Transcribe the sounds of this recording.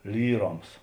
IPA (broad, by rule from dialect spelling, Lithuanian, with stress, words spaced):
ˈlʲiːˌroːms